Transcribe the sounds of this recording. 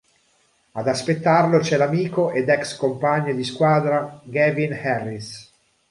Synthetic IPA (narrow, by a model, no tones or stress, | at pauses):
ad̪aspet̪ːarlot͡ʃɛlamiːkoʔed̪ɛkskompaɲːed̪iskwaːd̪ɾaɡɛvinhɛrːis